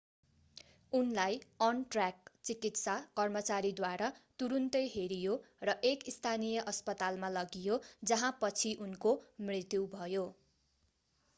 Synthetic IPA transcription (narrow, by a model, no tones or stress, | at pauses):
unlajʌnʈrakt͡sikit̪sakʌrmʌt͡saɾid̪waɾat̪uɾunt̪ʌjɦeɾijo | rʌʔekist̪ʰanijʌʔʌspʌt̪almalʌɡijod͡zʌɦãpʌt͡sʰiʔunkomrit̪jubʱʌjo